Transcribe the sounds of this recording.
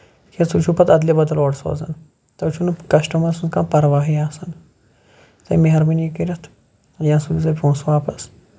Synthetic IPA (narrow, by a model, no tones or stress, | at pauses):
kʰesut͡ʃʰupɐt̪ɐd̪libɐd̪ɐloːɽso̰ːzɐ̰n | t̪ɐwt͡ʃʰunkɐʃʈɐmɐsunkãːpɐɾʋaːɦijaːsɐn | t̪ɐ̰jmeɦɐɾminikiɾʲɐt̪ʰ | jãːsulizɐpõːsʋaːpɐs